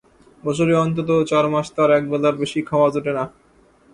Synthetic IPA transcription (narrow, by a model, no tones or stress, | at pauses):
bɔt͡ɕ̬ʰoɾeɔnt̪̬ot̪̬ot͡ɕaɾmaʃt̪aɾɛk̚bɛlaɾbeʃikʰawad͡ʑoʈena